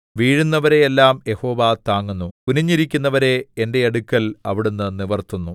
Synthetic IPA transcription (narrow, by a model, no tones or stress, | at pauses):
ʋiːɻunːɐʋɐɾe̞jelːaːmje̞ho̞ːʋat̪aːŋːunːuuniɲːiɾikʲːunːɐʋɐɾe̞ende̞ɐɽukʲːɐlɐʋiɽunːɨniʋɐrt̪unːu